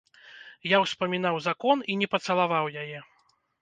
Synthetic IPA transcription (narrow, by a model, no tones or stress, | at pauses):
jawspɐmʲinawzakɔninʲɛpɐt̪sɐlˠavawjajɛ